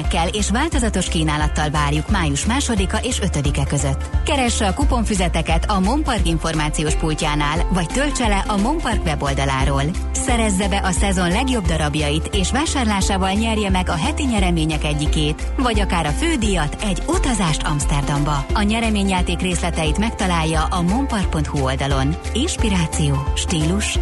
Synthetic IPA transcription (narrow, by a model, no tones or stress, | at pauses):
kːɛleːʃʋaːlt̪o̞zɒt̪o̞ʃkiːnaːlɒt̪ːɒlvaːrjukmaːjuʃmaːʃo̞d̪ikɒʔeːʃø̞t̪ø̞d̪ikɛkø̞zøt̪ːkɛɾɛʃːɛɒkupo̞ɱfyzɛt̪ɛkɛt̪ɒmo̞mpɒrkiɱfo̞rmaːt̪sijoːʃpulcaːnaːlvɒct̪ølt͡ʃɛlɛʔɒmo̞mpɒrkʋɛbo̞ld̪ɒla̰ːɾoːl | sɛɾɛzːɛbɛʔɒsɛzo̞nlɛɡjo̞bd̪ɒɾɒbjɒjit̪eːʃʋaːʃaːrlaːʃaːvɒlɲɛrjɛmɛɡɒɦɛt̪iɲɛɾɛmeːɲɛkɛɟːikeːt̪ | vɒɟɒkaːɾɒføːd̪ijɒt̪ɛɟut̪ɒzaːʃt̪ʰɒmst̪ɛrd̪ɒmbɒɒɲɛɾɛmeːɲjaːt̪eːkreːslɛt̪ɛjit̪mɛkt̪ɒlaːjːɒʔɒmo̞mpɒrk̚po̞nt̪huo̞ld̪ɒlo̞n | inʃpiɾaːt̪sijoːʃt̪iːluʃ